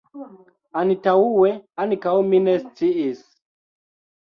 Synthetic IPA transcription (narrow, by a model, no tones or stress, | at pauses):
anitauwɛanikauminɛst͡siʔis